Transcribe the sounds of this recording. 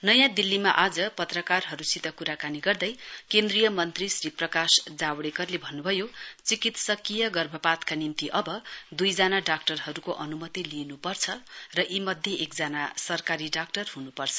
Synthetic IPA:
nʌjãd̪ilːimaʔad͡zʌpʌt̪rʌkarɦʌɾusit̪ʌkuɾakaniɡʌrd̪ʌjkend̪rijʌmʌnt̪risriprʌkasd͡zawɽekʌrlebʱʌnːubʱʌjot͡sikit̪sʌkijʌɡʌrbʱʌpat̪kanimt̪iʔʌbʌd̪ujd͡zanaɖak̚ʈʌrɦʌɾukoʔʌnumʌt̪ilienupʌrt͡sʰʌrʌʔimʌd̪ʱjeʔekd͡zanasʌrkaɾiɖak̚ʈʌrɦunupʌrt͡sʰʌ̥

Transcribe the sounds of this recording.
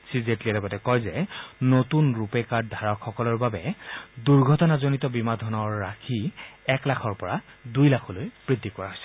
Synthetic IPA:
sizetliɛlɔɡɔtɛkɔjzɛnotunɹupɛkadʱaɹɔkʰxɔkɔlɔɹbabɛduɹɡʱɔtɔnazonitɔbimadʱɔnɔɹːakʰiɛklakʰɔɹpɔɹa | dujlakʰɔlojb̥ɹid̪ʱːikɔɹaɦojsɛ̥

